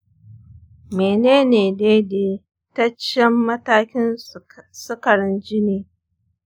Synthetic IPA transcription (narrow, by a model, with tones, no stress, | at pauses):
meː˨neː˦neː˨deː˦deː˨ | tɐ˦t͡ʃːɐ˦mːɐ˦taː˦kʲɪ˦n | sʊ˦kɐ˨ɽɪ˦nd͡ʒɪ˦niː˦